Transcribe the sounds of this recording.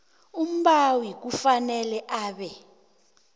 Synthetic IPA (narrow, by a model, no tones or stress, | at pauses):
um̩ɓawik̬ufanɛlɛʔaːɓɛ